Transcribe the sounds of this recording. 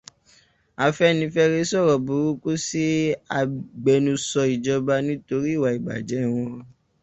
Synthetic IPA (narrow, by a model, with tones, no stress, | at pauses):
a˧fɛ˦nĩ˧fɛ˧ɾe˦sɔ˦˨ɾɔ˨bu˨˦ɾu˦ku˦si˦a˧ɡ͡bɛ˧nũ˧sɔ˧i˨d͡ʒɔ˧ba˧nĩ˦to˧ɾi˦˨wa˨i˨ɡ͡ba̰˨d͡ʒɛ˨˦˨w̃ɔ̃˧